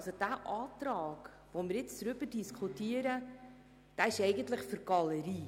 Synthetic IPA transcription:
sod̥æːʔɑːtɾɑːɡ̥ | ʋomɪɾɪt͡sɾʏb̥ədiskʰutiəɾə | d̥æɪʃɛɪɡəntləχfyɾɡ̥ɑləɾiː

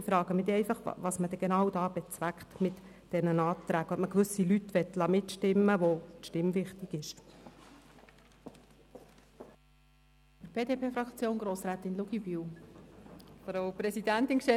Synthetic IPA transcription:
ifɾɑːɡ̥əmɪtɛɪfɑχɑ̰ʋɑːsməd̥̪ɛɡ̥enɑwdɑːbɛt͡sʋækχt̪mɪt | d̥ɛnənɑːt̪ɾæːɡ̥ɔməkʋʏsilytːʋɛtlɑmɪtʃtɪmːəʋot̪ʃtɪmʋɪχtiɡɪʃ | əb̥eːdeːpʰeːfɾɑkt͡sjoːnɡɾoːsɾæːt̪ɪnluɡibyw | ɑb̥əɾowpɾɛsidænt̪ɪnkʃtɛ

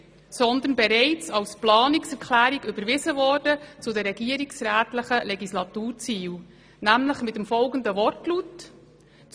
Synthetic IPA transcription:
sɔnd̪ənbɛɾɛɪt͡sɑlsplɑːniksɛɾkʰlæːɾiɡʏbəɾʋɪzəvɔːɾd̥ət͡sʊd̪ɛɾːɛɡiəɾiksɾæːtləχəlɛɡislɑt̪uːɾt͡siːw | næmləχmɪtəmfɔlɡənd̪əvɔrtlut

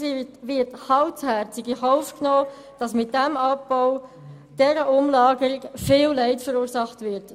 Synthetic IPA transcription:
iʋɪthɑlshɛɾt͡sɪɡihɔʊfknoː | d̥ɑsmɪt̚d̥ɛmɑpːɔʊ | d̥ɛɾəʊmlɑːɡəɾɪkfɪːllɛɪtfəɾuːɾsɑχtvɪɾt

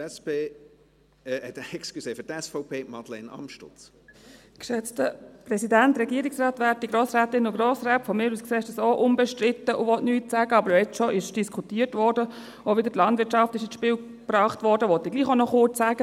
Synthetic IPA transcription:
ɛspeː | ɛtɛksklyseːfətɛsfɔʊpʰeːmɑd̪lɛnɑ̰mʃtʊ̰t͡s | kʃɛt͡stəprɛsidæntrɛɡiəɾɪksrɑːt̪ʋæːɾt̚d̥iɡɾoːsɾæːtɪnʊɡɾoːsræːtfɔmɪːɾuːskseːɪʃdəsoʔʊmbɛʃtrɪtːəʔʊʋɔtnyːtsæːɡəɑbəɾɛt͡sʃoʔɪʃd̥iskʰutiːəɾtʋɔːɾdə | oʋɪdətlɑndʋɪɾtt͡ʃɑftɪʃɪsʃpɪːl | b̥rɑːχtʋɔɾdəʋɔt̪ːɪɡliːχonɔχʊɾt͡ssæːɡ̥ə

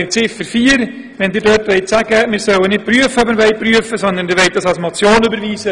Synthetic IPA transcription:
ɪt͡sɪfəɾfiːəɾ | ʋɛndɪːɾdœːtʋɛɪtsæɡ̥əmɪːɾsœwənɪt̚pɾyːəfəɔbənʋɛɪt̚pryəfəsɔnd̪əndɪɾʋɛɪt̚d̥ɑsɑlsmɔt͡sjoːnybəɾviːsə

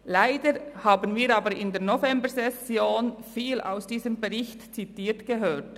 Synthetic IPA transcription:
laɪdəɾhaːbənviːɾɑːbəɾɪndeːɐnofɛmbəɾzɛsjoːnfiːla̰ʊsd̥iːzəmbeʁɪçtt͡sitiːtɡ̥eɦøːt

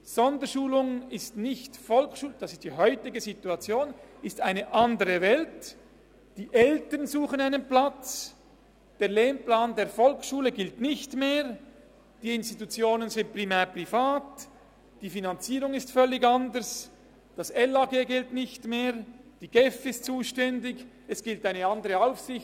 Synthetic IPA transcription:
z̥ɔndəɾʃuːlʊŋɪstnɪçtfɔlkʃuːld̥ɑsɪst̚d̥iɦœʏtɪɡəzituat͡sjoːnɪstaɪnəʔɑndəʁəvɛlt | d̥iːʔɛltəʁnzuːχənaɪnənplat͡s | d̥eːɐleːmplaːndeːɐfɔlkʃuːləɡɪltnɪçtmeːʁ | d̥iːɪnstitut͡sjoːnənzɪnt̚pʁ̥imɛːʁpʁifaːt | d̥iːfinant͡siːʁʊŋɪstfœlːɪɡandəɾs | d̥asɛlaɡeːɡɪltnɪçtmeːʁd̥iːɡ̥ɛfɪstt͡suːʃtɛndɪç | ɛsɡ̥ɪltaɪnəɑndəʁəaʊfsɪç

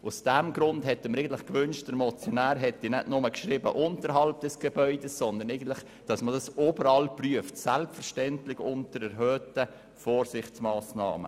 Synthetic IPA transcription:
ʔʊsd̥æmɡɾʊndhɛtːəməɾɛɪɡntlɪχkvʏnʃt̚d̥əɾmɔt͡sjonæːɾɦɛtːinɛdnʊməkʃɾɪːbə̰ʔʊntəɾɦɑlp̚d̥ɛsɡ̥ebœʏdəssɔnd̪əɾnɛɪɡən̩tlɪχ | d̥ɑsmədɑsobəɾɑlpryəftsælpfəɾʃtɛntlɪɡʊntəɾɛɾɦøːtə | foːɾsɪχt͡smɑːsnɑ̰ːmə̰

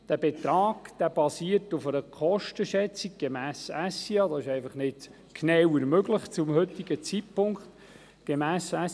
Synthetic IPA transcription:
d̪̥æb̥ɛt̪ɾɑːɡ̥d̪̥æb̥ɑsiərtʊfəɾəkʰɔʃtəʃɛt͡siɡ̚ɡ̥ɛmæːsæsiɑd̪ɑsɪʃɛɪfɑχnɪt | kʰnɛwəɾmøɡ̥ləχt͡sʊmhɵt̪ːiɡət͡sitpʰʊŋkχt̪ | ɡ̥emæːsæ

